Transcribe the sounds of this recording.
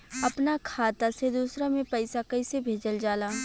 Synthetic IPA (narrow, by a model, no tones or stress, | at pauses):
ɐpnakʰaːt̪ased̪uːsɾamẽpɐɪsakɐisebʱeːd͡ʒəld͡ʒaːlaː